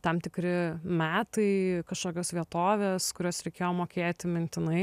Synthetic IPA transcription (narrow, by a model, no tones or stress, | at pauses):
t̪ɐmt̪ʲɪkɾʲɪmʲæːt̪ɐɪkɐʃkoːkʲoːsʋʲiɛt̪oːʋʲeːskʊɾʲoːsɾʲɛɪkʲeːjoːmoːkʲeːt̪ʲɪmʲɪnʲt̪ʲɪnɐɪ